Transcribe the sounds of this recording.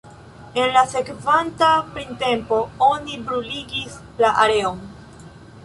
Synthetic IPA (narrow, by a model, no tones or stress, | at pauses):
e̞nlase̞kvantapɾinte̞mpo̞o̞nibɾuliɡis | laʔaɾe̞on